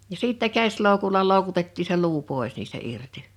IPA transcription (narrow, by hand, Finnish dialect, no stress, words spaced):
jɑ siˑtːæ kæsˑloˑukulɑ loˑu̞kutetːiː se luː poˑe̞s niːstæ irti